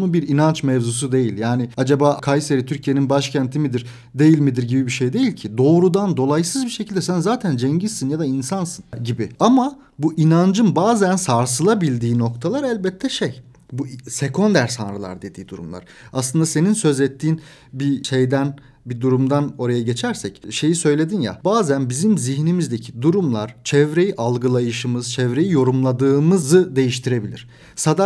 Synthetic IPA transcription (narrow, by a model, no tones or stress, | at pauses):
ubiɾinant͡ʃmɛvzus̬ud̪e̞jilʲjaːnɪad͡ʒabaːkʰajseɾit̪ʰyɾcʰije̞ninbaʃcʰænt̪ʰimid̪iɾ | d̪e̞jilʲmid̪iɾɟibibiʃejd̪e̞jilʲcʰid̪o̞ːɾud̪and̪o̞lˠajsɯzbiʃe̞cʰilʲd̪ɛsænzaːt̪ʰænd͡ʒɛɲɟisinjad̪ainsansɯnɟibiama | buʔinand͡ʒɯnbaːzænsaɾs̬ɯlˠabilʲd̪iːno̞kt̪ʰalˠaɾælʲbɛt̪ʰːɛʃej | buse̞kʰo̞nd̪æɾsanɾɯlˠa̰ɾd̪e̞d̪iːd̪uɾumlˠa̰ɾ̥aslˠɯnd̪ase̞ninsø̞zɛt̪ʰːiːn | biʃejd̪æn | bid̪uɾumd̪ano̞ɾajaɟe̞t͡ʃʰæɾsɛcʃe̞jisø̞jlʲe̞d̪inja̰baːzænbizimziçnimizd̪ecʰi̥d̪uɾumlˠaɾ̥t͡ʃʰɛvɾe̞jiʔalˠɡɯlˠajɯʃɯmɯz̥t͡ʃʰɛvɾe̞jijo̞ɾumlˠad̪ɯːmɯzɯd̪e̞jiʃt̪ʰiɾe̞bilʲḭɾ̥ | sad̪a